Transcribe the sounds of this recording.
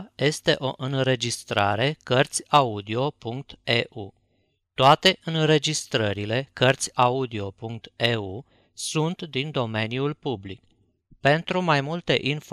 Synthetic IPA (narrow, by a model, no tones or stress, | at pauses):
je̞st̪e̞ʔo̞ʔɨnre̞d͡ʒist̪ɾa̰ɾe̞kərt̪sʲaud̪io̞puŋk̚t̪eʔu | t̪oat̪e̞ʔɨnɾe̞d͡ʒist̪ɾəɾile̞kərt̪sʲaud̪io̞puŋk̚t̪eu | sunt̪d̪ind̪o̞me̞njulpublik | pe̞nt̪ɾumajmult̪e̞ʔinf